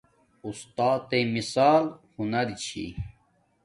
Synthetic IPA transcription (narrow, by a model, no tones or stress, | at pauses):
ust̪aːt̪emisaːlhunɐɾt͡ɕʰḭ